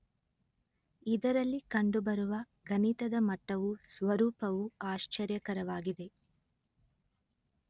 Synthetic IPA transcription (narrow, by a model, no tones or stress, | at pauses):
id̪ɐɾɐlːikɐɳɖubɐɾuʋɐ | ɡɐnit̪ɐd̪ɐmɐʈːɐʋusʋɐɾuːpɐʋuaːʃt͡ʃɐɾjɐkɐɾɐʋaːɡid̪e̞